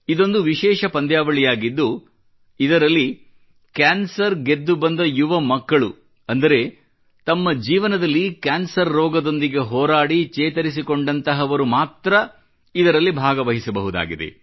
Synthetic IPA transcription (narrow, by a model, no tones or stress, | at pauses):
id̪o̞nd̪uʋiʃɛːʃɐpɐnd̪jaːʋɐɭijaːɡid̪ːu | id̪ɐɾɐlːi | kaːnsɐɾɡed̪ːubɐnd̪ɐjuʋɐmɐkːɐɭu | ɐnd̪ɐɾe̞ | t̪ɐmːɐd͡ʒiːʋɐnɐd̪ɐlːikaːnsɐɾːɔːɡɐd̪o̞nd̪iɡe̞ɦɔːɾaːɽit͡ʃɛːt̪ɐɾis̬iko̞ɳɖɐnt̪ɐɦɐʋɐɾumaːt̪ɾɐ | id̪ɐɾɐlːibʱaːɡɐʋɐɦisɐbɐɦud̪a̰ːɡid̪e̞̰